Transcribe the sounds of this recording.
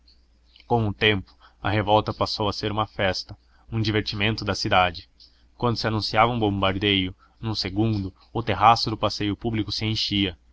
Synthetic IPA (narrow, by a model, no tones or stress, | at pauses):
kõw̃ũt̪ẽmpʊ̥ | ɐ̰ɦevɔwt̪ɐpasowɐseɾũmɐfɛst̪ɐ | ũd͡ʒiveɾt͡ʃimẽnt̪ʊd̪ɐsid̪ad͡ʒɪ | kwɐ̃nd̪ʊsɪanũsiavɐũbõmbaɾd̪ejʊ | nũseɡũnd̪ʊ | ʊt̪eɦasʊd̪ʊpasejʊpublikʊsɪẽj̃ʃiɐ